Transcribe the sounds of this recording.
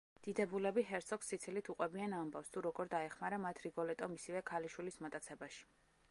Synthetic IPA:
d̪̥id̪ɛbulɛbiɦɛɾt̪sʰɔksːit̪sʰilit̪ʰuqʼwɛbianambafst̪ʰuɾɔɡɔɾd̪aɛχmaɾamat̪ʰɾiɡɔlɛt̪ʼɔmisivɛkʰaliʃwilismat̪ʼat̪sʰɛbaʃi̥

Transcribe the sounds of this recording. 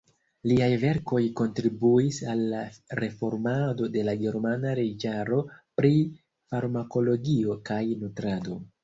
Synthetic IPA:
liajve̞ɾko̞jko̞ntɾibuisalːaɾe̞fo̞ɾmado̞de̞laɡe̞ɾmanaɾed͡ʒaɾo̞pɾi | faɾmako̞lo̞ɡio̞kajnutɾado̞

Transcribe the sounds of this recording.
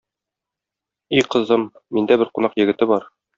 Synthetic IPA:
iqɤ̆zɤmː | ind̪æbɘɾqunɑqjɘ̆ɡɘ̆t̪ɘbɒɾ

